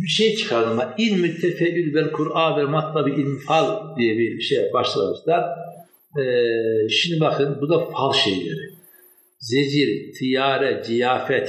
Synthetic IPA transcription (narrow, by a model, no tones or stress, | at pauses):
biʃejt͡ʃʰɯ̥kʰaɾd̪ɯmailʲmyt̪ʰːɛfɛʔylbɛlkʰuɾaːvɛɾmat̪ʰlˠabiʔilʲmfalˠd̪ijɛbibiʃejbaʃlˠa̰mɯʃd̪aɾ | ʃimnibakʰɯnbud̪afalˠʃḛjlʲeɾi | zed͡ʒiɾt̪ʰijaːɾɛzijaːfɛt̪